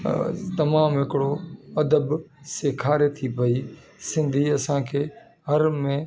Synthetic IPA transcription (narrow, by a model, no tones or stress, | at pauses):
t̪ɐmaːmɦɪkɪɽoɐd̪əbseːkʰaːɾet̪ʰipɐiː | sɪ̃nd̪ʱiːɐsãːkʰeː | ɦɐɾmẽː